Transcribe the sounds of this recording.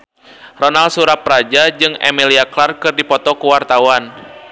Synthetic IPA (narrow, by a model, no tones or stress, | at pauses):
rɔnalsuɾapɾad͡ʒad͡ʒɨŋɛ̰miliaklarkɨrdipɔt̪ɔkuwart̪awan